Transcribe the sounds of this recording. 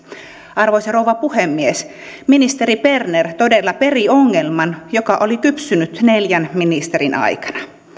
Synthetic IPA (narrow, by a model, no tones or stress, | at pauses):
ɑrʋojsɑrowʋɑpuhemːies | minist̪e̞ɾipe̞rnert̪o̞delːɑpe̞rio̞ŋːelmɑnjokɑʔolikypsynyt̪neljænminist̪eɾinʔɑ̰jkɑ̥nɑ̥